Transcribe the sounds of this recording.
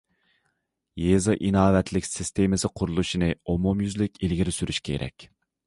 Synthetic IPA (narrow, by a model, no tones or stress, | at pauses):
jezɑʔinɑːwɛt̪ʰlɪkʲsɪst̪ʰemɪsɪqʰʊɾulˠuʃinɨomomjyzlɪkʲilɡʲiɾɪsyɾyʃkʲʰḛɾʔɛ̰kʲ